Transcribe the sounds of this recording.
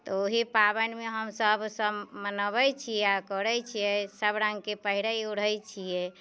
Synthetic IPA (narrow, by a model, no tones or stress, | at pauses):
t̪ɔoɦipabənmeɦəmsəbsəbmənəβət͡ʃʰijɛakəɾɛt͡ʃʰijɛsəbɾãŋɡkepəɦiɾaiuɽ̤əjt͡ʃʰijɛ